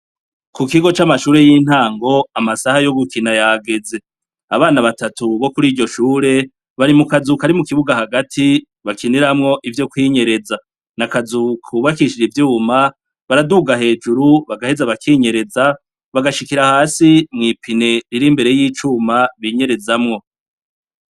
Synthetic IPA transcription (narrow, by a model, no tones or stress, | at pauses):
kukiɡo̞t͡ʃamaʃuːɾe̞jiːn̥haːŋɡo̞amasahajo̞ɡukinajaɡe̞ze̞ | aβaːnaβatatuβo̞kuɾiːɟo̞ʃuːɾe̞ | βaɾimukazukaɾimukiβuɡahaɡatʰi | βakʰiniɾamŋo̞ʔivjo̞kwiːɲe̞ɾe̞za | nakazukʰuβakiʃid͡ʒivjuːma | βaɾaduːɡaɦe̞ːd͡ʒuɾuβaɡahe̞zaβakʰiːɲe̞ɾe̞za | βaɡaʃikiɾahaːsimŋiːpʰine̞ɾiɾimbe̞ɾe̞jiːt͡ʃuːmaβiɲe̞ɾe̞zamŋo̞